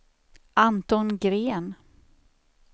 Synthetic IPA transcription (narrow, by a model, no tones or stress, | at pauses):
ʔant̪ɔnɡɾeːn